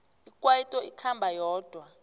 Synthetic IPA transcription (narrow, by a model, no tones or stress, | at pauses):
ikʼwajitʼɔikʰambʱajɔːd̥ʱwa